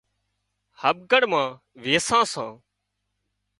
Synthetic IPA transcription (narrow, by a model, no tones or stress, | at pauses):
həɓ̚ɡəɽmãː | ʋeːsãːsãː